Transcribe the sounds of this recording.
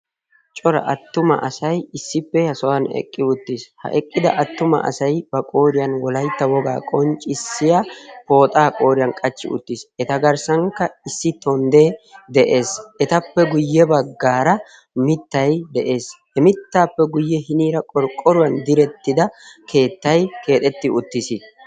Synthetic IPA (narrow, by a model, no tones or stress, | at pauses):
t͡ʃʼɔɾɐ̰ʔɐt̪ːʊmɐ̰ʔɐsɐjɪsːɪpːɛhɐsɔwɐnɛ̰kʼːɪʊt̪ːishɐ̰ʔɛkʼːɪd̪ɐ̰ʔɐt̪ːʊmɐ̰ʔɐ̰sɐjbɐkʼo̞ːɾɪjɐnwɔlɐjt̪ːɐwɔɡa̰ːkʼɔnt͡ʃʼɪsːɪjapo̞ːt̪ʼaːkʼo̞ːɾɪjɐnkʼɐt͡ʃːɪ̰ʊ̰t̪ːisɛt̪ɐɡɐɾsɐŋkːɐɪsːɪt̪ɔnd̪ed̪ɛʔe̞ːsʔɛt̪ɐpːɛɡʊjːɛbɐɡːaːɾɐ | mɪt̪ːɐjd̪ɛʔe̞ːshɛmɪt̪ːaːpːɛɡʊjːɛhɪniːɾɐkʼɔɾkʼːɔɾʊwɐnd̪ɪɾɛt̪ːɪd̪ɐkʰe̞ːt̪ːɐjkʰe̞ːt̪ʼɛt̪ːɪʊt̪ːɪsi